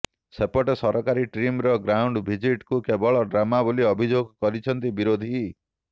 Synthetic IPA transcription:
sepɔʈesɔɾɔkaɾiʈɾimɾɔɡɾawɳɖbʱid͡ʒiʈkukebɔɭɔɖɾamabuliɔbʱid͡ʒoɡkɔɾit͡ʃʰɔnt̪ibiɾod̪ʱi

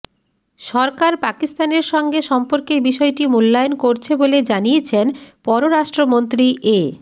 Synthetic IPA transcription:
ʃɔɾkaɾpakist̪aneɾʃɔŋɡeʃɔmpoɾkeɾbiʃɔeʈimulːajonkoɾt͡ɕʰeboled͡ʑanijet͡ɕʰenpɔɾoɾaʃʈɾomont̪ɾiʔe

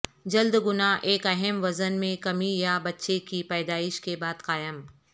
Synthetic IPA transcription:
d͡ʒɐld̪ɡʊnaʔeːkɐɦɛmʋɐzənmẽkɐmijabɐtːʃekipɛːd̪aːɪʃkebaːd̪qaːjəm

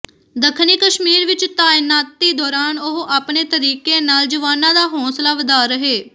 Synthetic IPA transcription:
d̪əkʰniːkəʃmiːɾʋɪt͡ʃt̪aːɪnaːt̪ːiːd̪ɔːɾaːnʊɦʔaːpneːt̪əɾiːkeːnaːld͡ʒəʋaːnãːd̪aːɦɔ̃ːslaːʋəd̪aːɾəɦeː

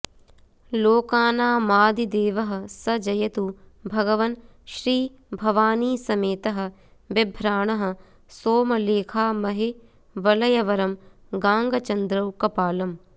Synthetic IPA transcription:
loːkaːnaːmaːd̪id̪eːʋɐɦɐ̆sɐd͡ʒɐjɐt̪ubʱɐɡɐʋɐn | ʃɾiː | bʱɐʋaːniːsɐmeːt̪ɐɦɐ̆ | ʋɐbʱɾaːɳɐɦɐ̆ | soːmɐleːkʰaːmɐɦe | ʋɐlɐjɐʋɐɾɐm | ɡaːŋɡɐt͡ʃɐnd̪ɾɐwkɐpaːlɐm

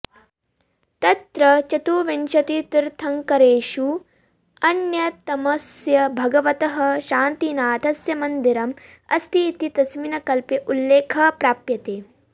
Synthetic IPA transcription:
t̪ɐt̪ɾɐt͡ʃɐt̪uʋinʃɐt̪it̪iɾt̪ʰɐŋkɐɾeːʃu | ɐnjɐt̪ɐmɐsjɐbʱɐɡɐʋɐt̪ɐɦɐʃaːnt̪inaːd̪ʱɐsjɐmɐnd̪iɾɐm | ɐ̰st̪ʰit̪it̪ɐsminɐkɐlpiʔulːeːkʰɐpɾaːpjɐt̪eː

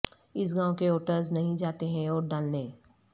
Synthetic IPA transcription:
ɪs̬ɡãːwkeoːʈəɾznɐɦĩd͡ʒaːt̪eɦɛ̃ɔːɾɖaːlnẽː

